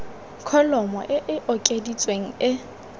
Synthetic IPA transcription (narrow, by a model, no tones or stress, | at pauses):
kʰɔlɔmɔ̰ʔɪʔɪʔɔkʼedit͡sʼweŋ̩ɪ